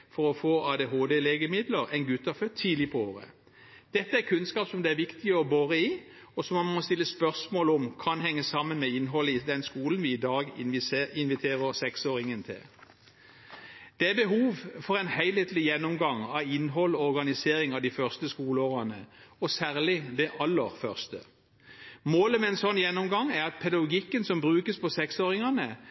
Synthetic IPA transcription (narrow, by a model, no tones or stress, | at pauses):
fɔʁɔfoːʔɑːd̪eɦoːd̪eːleːɡəmɪd̪ləʁɛɪnɡʉt̪ːɑfœt̪ʰːiːd̪lɪpʰɔoːʁə̰ | d̪̥ɛt̪ːəækʰʉnskɑːpsɔmd̪ɛæʁʋɪkt̪ɪəɔbøːʁəɪ | ɔsɔmɑmɔst̪ɪlːəspœʁsmoːləɔmkʰɑnɦɛŋːəsɑmːənmɛɪnɦɔlːəɪd̪ɛnskuːlənʋɪːd̪ɑːɡɪnʋɪt̪ʰeːʁəʁsɛksoːʁɪŋənt̪ʰɪ̰l | d̪̥ɛæbəɦuːʋfɔʁɛɪnhæɪlheːt̪lɪjɛnːɔmɡɑŋɑʋɪnːɦɔlɔɔʁɡɑnɪseːɾɪŋɑʋd̪ifœʁst̪əskuːləoːʁɑnəɔsæːʁlɪd̪ɛʔɑlːəʁfœʁst̪ə̰ | moːləmɛɛnsɔnːjɛnːɔmɡɑŋæʁɑt̪̚pʰɛd̪ɑɡʊɡɪkːənsɔmbʁʉːkəspʰɔsɛksoːʁɪŋɑnə